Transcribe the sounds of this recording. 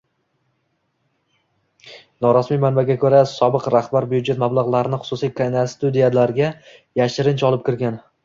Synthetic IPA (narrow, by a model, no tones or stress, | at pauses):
nɒɾɒsmijmanbaɡʲakʰɵɾasɒbɪqɾaχbaɾbʊjʊd͡ʒe̞t̪mablˠaʁlˠaɾɪnɪχʊ̥sʊsijkʰanast̪ʊd̪ijalaɾɡʲa | jaʃɪɾɪnt͡ʃɒlˠɪp̚kʲʰɪɾɡʲan